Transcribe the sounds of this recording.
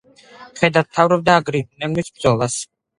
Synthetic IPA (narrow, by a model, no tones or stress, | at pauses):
χɛd̪ḁt̪ʰavɾɔb̚d̪aːɡɾinɛnmisb̚d̪zɔlˠas